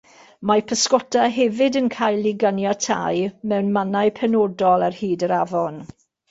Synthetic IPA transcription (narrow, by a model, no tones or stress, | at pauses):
mapʰəskɔtʰaɦɛvɨdənkʰajlˠiɡanjatʰa̰jmɛwnmanajpʰɛnodɔlˠarhiːdəɾavɔn